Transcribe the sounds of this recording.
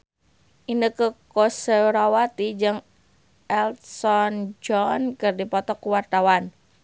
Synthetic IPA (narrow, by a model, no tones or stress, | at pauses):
ʔindəkəkosəɾawat̪id͡ʒɨŋ | ʔɛlsɔnd͡ʒɔnkɨrdipɔt̪ɔkuwart̪awan